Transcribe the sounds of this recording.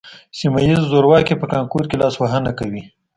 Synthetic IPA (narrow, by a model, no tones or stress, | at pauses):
simajizzoɾwɑkepəkɑŋkoɾkelɑswaɦənakawi